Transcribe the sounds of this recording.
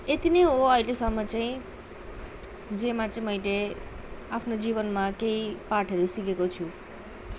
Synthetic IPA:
et̪inejɦoʌjlesʌmːʌt͡saĩ | d͡zemat͡saĩmʌjle | apʰnod͡ziβʌnmakeipaʈʰʌɾusikekot͡sʰu

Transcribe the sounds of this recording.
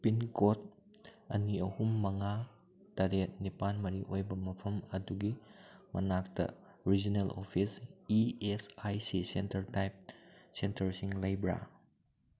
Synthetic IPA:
pinkot̚ | ɐniɐhumːɐŋa | taɾet̚nipanmɐɾiʔojbɐmɐpʰɐmɐduɡimɐ̰nak̚tɐ̰ | ɾid͡ʒinelʔo̰pʰisiesajsisentɐɾtajp̚sentɐɾsiŋlajbɾa̰

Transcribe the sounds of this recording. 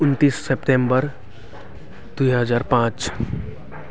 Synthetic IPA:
ʊnt̪iːsːepʈẽmbəɾ | d̪̥uiɦəd͡ʒaːɾpãːt͡ʃ

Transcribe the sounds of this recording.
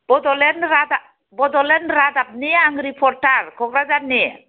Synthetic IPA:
b̥ɔd̪ɔlenɾat̪a | bɔd̪ɔlenɾat̪ap̚niaŋɡɾipʰɔɾʈaɾkʰɔkɾad͡ʒanḭ

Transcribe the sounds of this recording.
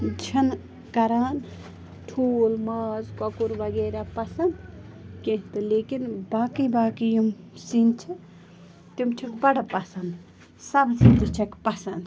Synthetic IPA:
d͡ʒʰin | kɐɾaːn | ʈʰuːlmɐzkɐkuɾbɐɡeɾapɐsɐnd̪kẽɦt̪ɨleːkinbaːkibaːkijim | sint͡ʃʰi | t̪imt͡ʃʰikbɐɽapɐsɐnd̪ | sɐbsibt̪it͡ʃʰɐkpɐsɐnd̪

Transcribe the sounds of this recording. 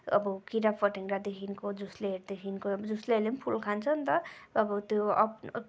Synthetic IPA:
ʌ̰bʌkiɾapʌʈiŋɾad̪ekʰinkod͡zusleɦeɾd̪ekʰinkobd͡zusleelenpʰulkʰant͡sʰʌnt̪ʌːbʌt̪joʌ̰

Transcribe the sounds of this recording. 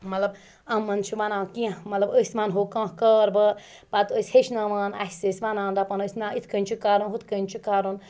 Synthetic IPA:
mɐt̪lɐb | ɐmːɐnt͡ʃʰiʋanãːkiãmɐt̪lɐbəsʲmaːnɦoːkãːkəːɾbə | pat̪əsʲheʃʰnaːʋaːna̰ɦisəsʲʋanãːndɐpɐnəsʲnaːit̪ʰkənʲt͡ʃʰikaːɾunɦut̪ʰkənʲt͡ʃʰikaːɾun

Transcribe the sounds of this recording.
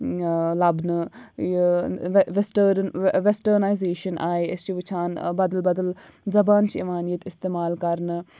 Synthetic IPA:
lɐbnɨ | ʋesʈəɾʋesʈəɾnajzeːʃɐnʔaːeɐst͡ʃiʋut͡ʃʰaːnbɐd̪əlbɐd̪əl | zɐbaːnt͡ʃʰiiʋaːnijɐt̪ɪst̪eːmaːlkɐɾnɨ

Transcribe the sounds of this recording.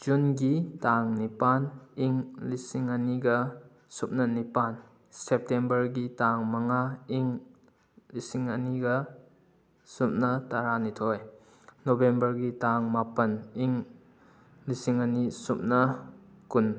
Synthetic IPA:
d͡ʒunɡitaŋnipaniŋlisiŋaniɡɐ | sup̚nɐnipan | sep̚tembɐɾɡitaŋmaŋaiŋ | lisiŋɐniɡɐ | sup̚nɐtaɾanitʰɔj | nobembɐɾɡitaŋmapɐniŋ | lisiŋanisup̚nɐ | kun

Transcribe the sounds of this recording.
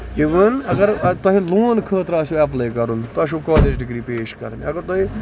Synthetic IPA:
iʋɐnɐɡɐɾt̪wɐɦiloːnkʰəːt̪ɾaːsuɐp̬leːkɐɾunt̪oɐʃ̬ukaːled͡ʒɖɪɡɾiːpeːʃkɐ̰ɾmiɐɡɐɾt̪ɐɦi

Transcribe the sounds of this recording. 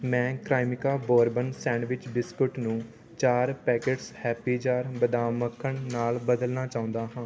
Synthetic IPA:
mɛ̃ːkɾaːimɪkaːboːɾbənsɛ̃ːnʋɪt͡ʃbɪskʊʈnũː | t͡ʃaːɾpɛːkeːʈshɛːpiːd͡ʒaːɾbəd̪aːməkʰːəɳnaːlbəd̪əlnaːt͡ʃaːʊ̃nd̪aːɦãː

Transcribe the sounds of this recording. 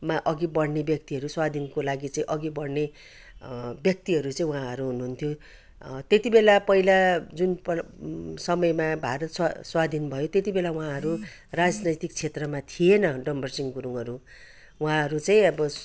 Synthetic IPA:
maʔʌɡibʌɽnebjʌk̚t̪iɦʌɾuswad̪ʱinkolaɡit͡sʌĩʔʌɡibʌɽne | bjʌk̚t̪iɦʌɾut͡sʌĩw̃ɦãɦʌɾuɦunuɦunt̪ʰjo | t̪et̪ibelapʌɦilad͡zunp | sʌmʌjmabʱaɾʌt̪saswad̪ʱinbʱʌjot̪et̪ibelawũãɦʌɾu | rad͡znʌjt̪ik̚t͡sʰet̪rʌmat̪ʰijenʌɖʌmbʱʌrsiŋɡuɾuŋʌɾu | uɦãɦʌɾut͡sʌĩʌbʌ

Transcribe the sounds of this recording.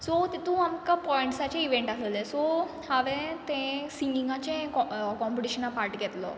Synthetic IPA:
sɔt̪et̪ũamkapɔiɳʈsat͡ɕẽiʋeɳʈasəlesɔ | aʋẽt̪ẽsĩŋɡiŋɡãt͡ɕẽɔkɔ̃mpiʈiɕənapaɾʈɡɛt̪lɔ̰

